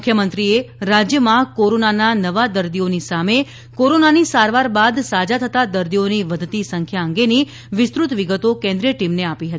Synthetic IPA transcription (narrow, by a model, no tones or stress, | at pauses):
kʰjəmənt̪ɾieɾad͡ʒjəmãkoɾonananəʋad̪əɾd̪ionisame | koɾonanisaɾʋaɾbad̪sad͡ʒat̪ʰət̪ad̪əɾd̪ioniʋəd̪ʱt̪isəŋkʰjaəŋɡeni | ʋɪst̪ɾut̪ʋiɡət̪okɛ̃nd̪ɾiəʈimneapiɦət̪i